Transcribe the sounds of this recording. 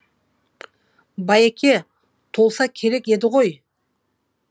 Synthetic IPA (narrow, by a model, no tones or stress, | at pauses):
bɑjekʲe̞ | t̪ʰo̞lˠsɑkʲʰe̞ɾe̞ke̞d̪ɪʁo̞j